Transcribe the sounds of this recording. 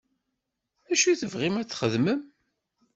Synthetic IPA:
æʃuθəvʁimæt͡sːχəðməm

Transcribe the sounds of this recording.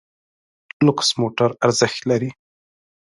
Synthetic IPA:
nʊqsmoʈaɾaɾzɪxt̪laɾi

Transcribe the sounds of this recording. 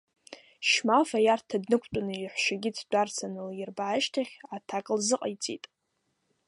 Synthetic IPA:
ʃmafajartʰadnɨkʷʰt͡pʷʼanɨiħʷʃaɡʲɪtʰdʷʼart͡sʰanɨljɪrbaʕaʃtʰaχʲatʰakʼlzɨqʼajt͡sʼitʼ

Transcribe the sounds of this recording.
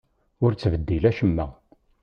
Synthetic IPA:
ʊɾt͡sːvəd̪ːilæʃəmːæ̰

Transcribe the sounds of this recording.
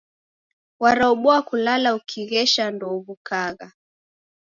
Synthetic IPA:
waɾauɓɔakulalaukʰiɣɛʃandɔβukaɣa

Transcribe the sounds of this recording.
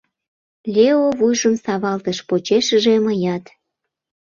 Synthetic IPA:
lʲeovujʒəmsɑβɑlt̪əʃpot͡ɕeʃəʒeməjɑt̪

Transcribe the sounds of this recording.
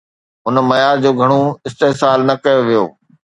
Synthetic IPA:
ɦʊnmɐjaːɾd͡ʑoːɡʱɐɽ̃oɪst̪eːsaːlnɐkɐjoʋijo̰ː

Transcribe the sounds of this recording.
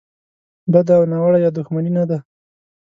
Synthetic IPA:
bad̪aawnawaɽajɑd̪ʊxmaninad̪a

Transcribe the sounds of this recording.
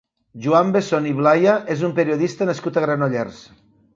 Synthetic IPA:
ʒuambesoniβlajaʔezumpeɾioðist̪anaskut̪aɣɾanoʎɛrs

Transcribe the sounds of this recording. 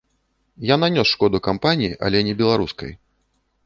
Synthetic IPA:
jananʲɔsʂkɔd̪ukampanʲijiʔɐ̰lʲɛnʲɛbʲɛlˠaɾuskɐ̰j

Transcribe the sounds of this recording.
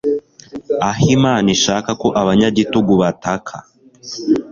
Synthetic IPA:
aɦimaːniʃaːkakoʔaβaɲaɟituɡuβatakʰa̰

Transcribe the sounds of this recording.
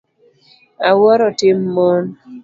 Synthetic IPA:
awɔɾɔtɪmːon

